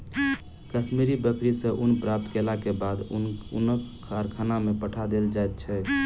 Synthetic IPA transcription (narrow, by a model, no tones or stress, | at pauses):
kəsmiɾibək̪ɾisə̃ʔunpɾap̚t̪kelakebad̪ṵnəkː | aɾkʰanamepəʈʰad̪eld͡ʒajt̪̚t͡ʃʰɛ